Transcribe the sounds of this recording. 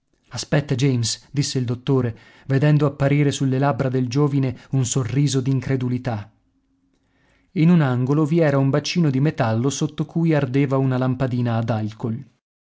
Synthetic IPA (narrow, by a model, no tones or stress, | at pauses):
aspɛt̪ːad͡ʒejmsd̪isːeild̪ot̪ːoːɾe | ved̪ɛnd̪oapːaɾiːɾesulːelabɾad̪eld͡ʒoːvineunsorːiːzod̪iːŋkɾed̪ulit̪a | inunaŋɡoloviɛːɾaumbat͡ʃːiːnod̪imet̪alːosot̪ːokujard̪eːvaunalampad̪iːnaːd̪alkol